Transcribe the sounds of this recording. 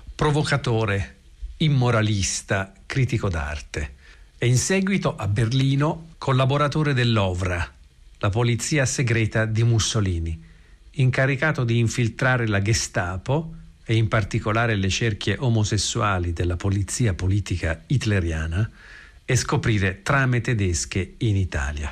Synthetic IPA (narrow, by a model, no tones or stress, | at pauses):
pɾovokat̪oːɾe | imːoɾalist̪a | kɾiːt̪ikod̪a̰rt̪eɛinsɛːɡwit̪oʔabːerliːnokʰolːaboɾat̪oːɾed̪elːɔvɾa | lapolit̪sːiːaseɡɾɛːt̪ad̪imusːoliːniː | ŋkaɾikaːt̪od̪iːɱfilt̪ɾaːɾelaɡest̪aːpo | eimpart̪ikolaːɾelet͡ʃerk̟ʰjeʔomosesːuaːlid̪elːapolit̪sːiːapoliːt̪ikait̪leɾja̰ːna | eskopɾiːɾet̪ɾamet̪ed̪ɛskeinit̪a̰ːlja̰